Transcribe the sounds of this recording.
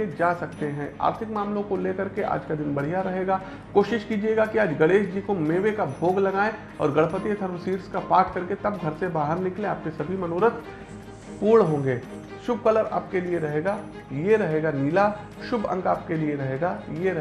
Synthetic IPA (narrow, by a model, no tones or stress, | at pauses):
ed͡ʒaːsɐkt̪eɦɛ̃a̰ːɾt̪ʰɪkmaːmlõkoleːkɐɾkeʔa̰ːd͡ʒkad̪ɪnbɐɽ̤ijaɾɐɦeːɡaː | koːʃɪʃkiːd͡ʒieːɡakiaːd͡ʒɡɐɽeːʃd͡ʒiːkomeːʋekabʱoːɡlɐɡaːẽ | ɔ̰ːɾɡɐɭpət̪iet̪ʰɐɾsiːɾskapaːʈʰkɐɾket̪ɐb̚ɡʱɐɾsebaːɦəɾnɪklẽaːp̚kesɐbʱimɐnoːɾət̪ | puːɽɦõːŋɡeː | ʃʊbʱkɐləɾa̰ːp̚kelieɾɐɦeːɡaː | jeɾɐɦeːɡaniːla | ʃʊbʱɐ̰̃ŋkaːp̚kelieɾɐɦeːɡajeɾɐ